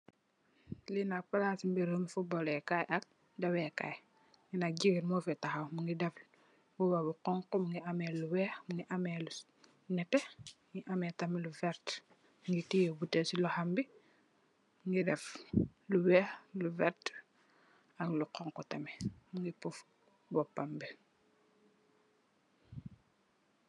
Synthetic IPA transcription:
linak̚palasimbiɾhəmfubɔlɛkajʔak̚ | dɐwɛka̰j | ŋinak̚ɟiɡinmofɛtaxawmuŋɡidɐfl | buwabuqɔŋkɔmuŋɡiamɛluwɛːxmuŋɡiʔamɛlu | nɛtːɛ | ŋiʔamɛtɐmiluvɛɾt | ŋɡitijɛbutɛsilɔhambi | mŋɡidɛfluwɛːxluvɛɾt | ɐkluqɔŋkɔtɐmɛmuŋɡipuf | bɔpːambi

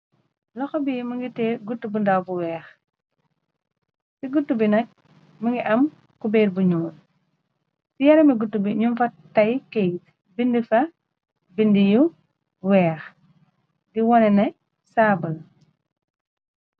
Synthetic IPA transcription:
lɐxɔbimɐŋɡitɛɡutːubundawbuwɛːx | siɡutːubinɐk̚ | mɐŋɡiʔɐm | kubɛːɾbuɲuːn | sijɐɾɐmiɡutːubiɲumfɐtːɐjkejt̚ | bindifɐ | bindiju | wɛːx | diwɔnɛnɛ | saːbɐl

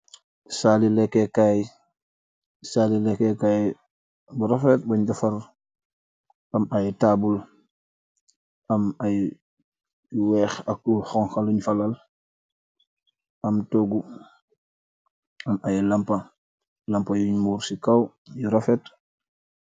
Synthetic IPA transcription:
salilɛkːɛkaj | salilɛkɛkaj | buɾofet̚baɲd͡ʒɐfɐɾ | ʔɐmajtabul | ʔɐmaj | wɛːxɐkːuxɔŋxaluɲfɐlal | ʔɐmtoɡu | ɐmajlɐmpɐ | lɐmpajuɲmuːɾsikaw | jiɾofet

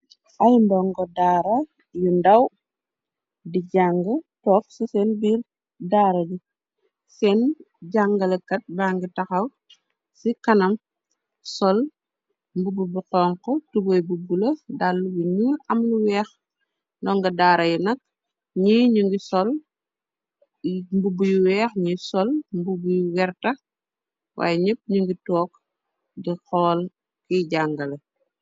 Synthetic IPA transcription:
ʔɐjndɔŋɡɔdaːɾɐ | jundɐw | diɟaŋɡɐtɔːk̚susɛnbiːr | daːɾɐɟu | sɛn | ɟaŋɡɐlɐkɐt̚baːŋɡitɐxɐw | sikɐnɐm | sɔl | mbububuqɔːŋkɔtubɔjbuɡulɐdalːubuɲuːɾɐmluwɛːx | ndɔŋɡɐdaːɾɐjɛnɐk̚ | ɲiːɲuŋɡisɔl | mbubujuwɛːxɲisɔlmbubujwɛrtɐ | wʔa̰ːjɛɲəp̚ːɲuŋɡitɔːk | dixɔːl | kiɟaŋɡɐlɐ

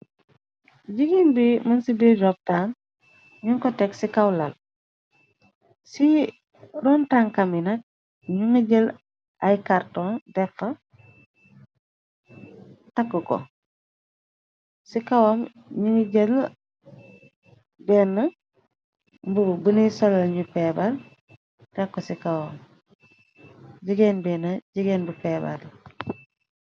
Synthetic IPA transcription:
ɟiɡinbimɐnsibed͡ʒɔp̚taːn | ɲuŋkɔtɛksikɐwlɐl | si | ɾɔːntaːŋkaminɐk̚ | ɲuŋiɟəl | ajkartɔndɛkːɐ | tɐkːukɔ̰ | sikawom | ɲuŋiɟəl | bɛnːɐ | bubunisolɐlɲupebal | dɛkːosikawoːm | ɟiɡeːnbɛːnaɟiɡeːnbupeba̰l

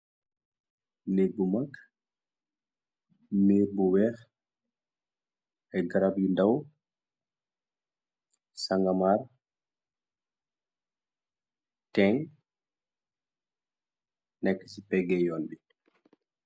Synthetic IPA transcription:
neɡumakː | nebɔwɛɾ | ɛɡaɾabindaw | saŋɡamaɾ | tɛŋ | nɛkːisipɛɡɛjonɗi

